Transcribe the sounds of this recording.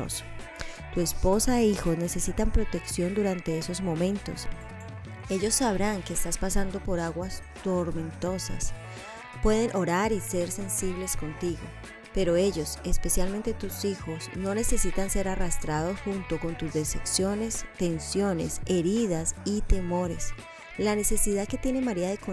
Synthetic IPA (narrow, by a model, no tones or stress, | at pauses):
s | t̪ue̞spo̞saeixo̞zne̞se̞sit̪ampɾo̞t̪e̞ksjo̞nd̪uɾant̪e̞eso̞zmõ̞mẽ̞nt̪o̞̰s | e̞ʝo̞sːaβɾaŋke̞eːst̪aspasand̪o̞po̞ɾaɣwas | t̪o̞ɾmẽ̞nt̪o̞sa̰s | pwe̞ðe̞nʔo̞ɾaɾise̞ɾse̞nsiβ̞le̞sko̞nt̪iɣo̰ | pe̞ɾo̞e̞ʝo̞se̞spe̞sjalmẽ̞nt̪et̪usixo̞sno̞ne̞se̞sit̪anse̞ɾarast̪ɾað̞o̞sxunt̪o̞ko̞nt̪uzd̪e̞seksjo̞ne̞st̪e̞nsjo̞ne̞̰se̞ɾiðasit̪e̞mo̞ɾe̞s | lane̞se̞siðaðke̞t̪je̞ne̞maɾiaðe̞ko